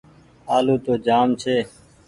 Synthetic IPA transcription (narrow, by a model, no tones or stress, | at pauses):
aːloːt̪oːd͡ʒaːmt͡ʃʰeː